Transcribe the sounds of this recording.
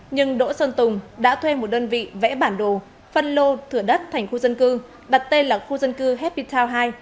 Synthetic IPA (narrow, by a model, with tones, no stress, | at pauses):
ɲɨ˧ŋɗo̰˧˥səː˧nt̪ʊ˨˩ŋ͡mɗa̰ː˧˥t̪ʰwe˧mo˨˩t̚ɗəː˧nvḭ˧˨vɛ̰˧˥ɓaː˧˩nɗo˨˩ | fə˧nlo˧t̪ʰɨ˧˩əɗə˦˥t̚t̪ʰa˨˩jŋ̟xu˧zə˧nkɨ˧ | ɗa˨˩t̚t̪e˧nlaː˨˩xu˧zə˧nkɨ˧ɦɛ˦˥p̚pi˧t̪ʰaː˧wɦaː˧j